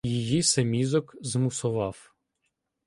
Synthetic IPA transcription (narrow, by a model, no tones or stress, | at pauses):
jijisemʲizɔkzmʊsʊʋɑw